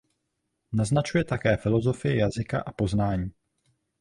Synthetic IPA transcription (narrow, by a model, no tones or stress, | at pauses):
naznat͡ʃujɛt̪akɛːfɪlo̞zo̞fɪjɪjazɪka̰ʔapo̞znaːɲiː